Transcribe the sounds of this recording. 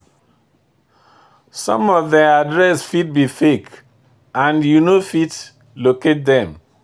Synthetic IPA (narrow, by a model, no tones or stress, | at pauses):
sɔ̰̃mɔvðɛadɹɛsfit̚bifek | ãnjunofit | loket̚dɛ̃m